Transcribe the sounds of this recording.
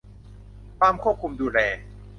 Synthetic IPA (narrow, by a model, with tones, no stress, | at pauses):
paː˧mkʰu˥˩p̚kʰu˧mduː˧lɛː˧